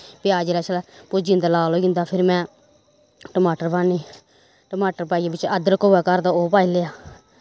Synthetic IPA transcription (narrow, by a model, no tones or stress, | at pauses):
piaːd͡ʒɾɛːt͡ʃʰlɛːpʊd͡ʒĩːnd̪aːlaːloːɡɪ̃nd̪aːpʰɪɾmɛ̃ː | ʈəmaːʈəɾbaːniː | ʈəmaːʈəɾpaːiːabɪt͡ʃəd̪əɾkoːɛːkəɾd̪aoːpaːileːaː